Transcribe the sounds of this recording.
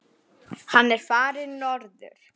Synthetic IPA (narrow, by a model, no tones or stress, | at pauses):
hanːɛɾ̥faːɾɪnɔɾðʏ̰ɾ̥